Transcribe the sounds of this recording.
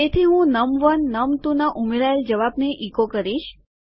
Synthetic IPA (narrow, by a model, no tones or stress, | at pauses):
et̪ʰiɦũnəmʋənːəmt̪ũnaʔumeɾaeld͡ʒəʋabneʔikokəɾiʃ